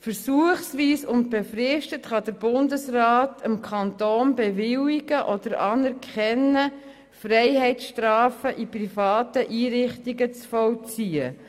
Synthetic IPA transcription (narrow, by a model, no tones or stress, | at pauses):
fəɾsuəχsʋiːsʊnt̚b̥efrɪʃtətχɑdəɾbʊndəsrɑːtʰəmkʰɑntoːnbɛvɪwiɡ̥əʔɔd̥̪əɾɑnɛɾkʰχɛnːə | frɛɪhɛɪtʃtrɑːfəʔiprifɑːtəʔiːɾɪχtiɡət͡sfɔwt͡siːə